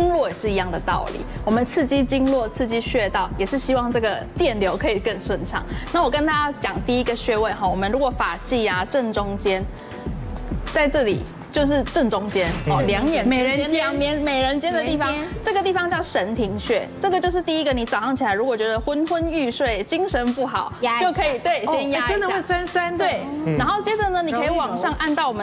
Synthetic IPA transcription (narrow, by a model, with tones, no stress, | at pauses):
i˥ŋlwɔ˥˩jɛ˨˩ʂɻ̩˥˩˨i˧˥jɑ˥˩ŋd̪ə˩t̪ɑ̰˥˩ʊlḭ˨˩˦wɔ˨˩mə˨˦nt͡sʰɹ̩˥˩t͡ɕi˥t͡ɕi˥ŋlwɔ˥˧t͡sʰɹ̩˥˩t͡ɕi˥ɕɥɛ˥˧t̪ɑ˥˩ʊjɛ˨˩ʂɻ̩˥˩ɕi˥wɑ˥˧ŋʈ͡ʂɤ˥˩ɡə˩t̪jɛ˥˩nljo˧˦˥ʊkʰɤ˧˥i˨˩kə˥˧nswə˥˩nʈ͡ʂʰɑ̰˨˩ŋna˥˩wɔ˨˩kə˦nt̪a˥t͡ɕjɑ˨˩ŋt̪i˥˩i˦˥ɡə˨ɕɥɛ˥˧we˥˧ɪxɔ˥˩wɔ˨˩mə˦nɻu˧˥kwɔ˧˩˦fa˨˩t͡ɕi˥˩a˨ʈ͡ʂə˥˩nʈ͡ʂʊ˥ŋt͡ɕjɛ˥n | t͡sa˥˧ɪʈ͡ʂɤ˥˩lḭ˨˩ | t͡ɕjo˥˧ʊʂ̬ɻ̩˥˧ʈ͡ʂə˥˩nʈ͡ʂʊ˥ŋt͡ɕjɛ˥nɔ˥˩ljɑ˧˥ŋjɛ˨˩ne˨˩˧ɛ˥˦ŋmjɛ˧˦˥nme˨˩ɪɻə˧˦˥nt͡ɕjɛ˥nd̪ə˨t̪i˥˩fɑ˦ʈ͡ʂɤ˥˩ɡə˩t̪̬i˥˩fɑ˧ŋt͡ɕjɑ˥˩ʊʂə˧˦˥nt̪ʰi˧˥ŋɕɥɛ˥˩ʈ͡ʂɤ˥˩ɡə˨t͡ɕjo˥˧ʊʂ̬ɻ̩˥˧t̪i˥˨i˦˥ɡə˨ni˨˩t͡sa˨˩ʊʂɑ˥˩ŋt͡ɕʰi˨˩la˧˦ɪɻu˧˥kwɔ˨˩t͡ɕɥɛ˧˥d̪ə˧xwə˦˥nxwə˥ny˥˧ʂwe˥˩ɪt͡ɕi˥ŋʂə˧˦˥npu˥˩xɑ˨˩˦ʊt͡ɕjo˥˩ʊkʰɤ˧˥i˨˩t̪we˥˩ɪɕɛ˥nja˥ə˦d̪ə˨we˥˩sa˥nsa˥nt̪we˥˩ɪna˧˥nxo˥˩ʊt͡ɕjɛ˥də˨nə˦n˨kkʰə˧˥i˨wɑ˨˩ŋʂɑ˥˧ŋʔa˥˧nt̪ɑ˥˩ʊwɔ˨˩mə˦